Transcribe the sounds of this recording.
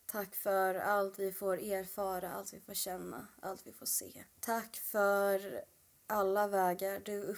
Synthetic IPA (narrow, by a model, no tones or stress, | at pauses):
t̪ʰakːfœɾalt̪vɪfoːɾeːɾfɑːɾaalt̪vɪfoːɾɕɛnːa̰a̰lt̪vɪfoːʂḛːt̪ʰakːfœɾ | ʔalːavɛːɡaɾɖɵɵ